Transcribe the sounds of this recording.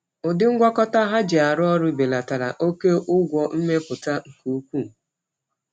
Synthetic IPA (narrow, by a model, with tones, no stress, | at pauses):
ʊ˨dɪ˦ŋ̩˦ɡʷɔ˦kɔ˦ta˦ɦa˦d͡ʒɪ˨a˨ɾʊ˦ɔ˦ɾʊ˦be˨la˨ta˨ɾa̰˨ʔo˦ke˦ʔʊ˦ɡʷɔ˨m̩˦me˦pʊ˨ta˦ŋ̩˨ku˨˦kʷu˦˨